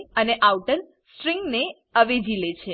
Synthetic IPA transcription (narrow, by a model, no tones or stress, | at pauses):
əneʔawʈən | sʈɾiŋɡne | əʋed͡ʒilet͡ʃʰe